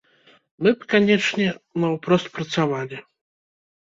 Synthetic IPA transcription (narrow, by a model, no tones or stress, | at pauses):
mɨpkanʲɛt͡ʂnʲɛnɐwpɾɔst̪̚pɾɐt̪savalʲi